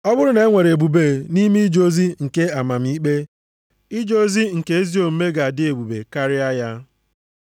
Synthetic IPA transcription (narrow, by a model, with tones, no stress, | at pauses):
ɔ˦bʊ˦ɾʊ˦ne˨˦ŋʷe˨ɾe˨bu˨be˨ni˦mi˦d͡ʒo˦zi˦ŋ̩˨ke˦a˨ma˨m̩˦i˦k͡pe˦ | i˦d͡ʒo˦zi˦ŋ̩˨ke˦e˦zi˦o˨m̩˦me˦ɡa˨a˨dɪ˦e˨bu˨bḛ˨ka˦ɾɪ˦a˦ja˦